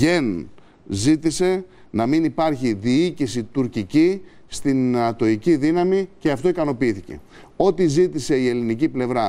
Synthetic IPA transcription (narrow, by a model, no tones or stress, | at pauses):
ʝe̞n | zit̪ise̞ | nɐminipɐɾçiðiicisit̪uɾcici | st̪inɐt̪o̞iciðinɐmice̞ɐft̪o̞ikɐno̞piiθice̞̰ | o̞t̪izit̪ise̞ie̞liniciple̞vɾɐ